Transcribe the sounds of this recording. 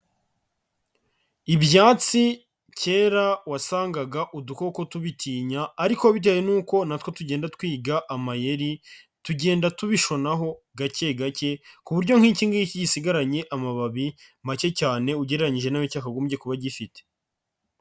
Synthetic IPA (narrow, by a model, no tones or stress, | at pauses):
iβjaːt͡si | ce̞ːɾawasaːŋɡaɡaʔuduko̞kotuβitʰiːɲaːɾikoaβit̬ejenuːko̞natwotuɟe̞ːndatkwiːɡaʔamaje̞ɾi | tuɟe̞ːndatuβiʃo̞naɦo̞ɡace̞ɡace̞kuβuɾɟo̞ŋ̥hiːciːŋɡajiciɟisiɡaɾaɲe̞ʔamaβaβimace̞caːne̞uɟeɾeɾaɲiʒe̞namucaːkaɡomuɟekuβaɟifite̥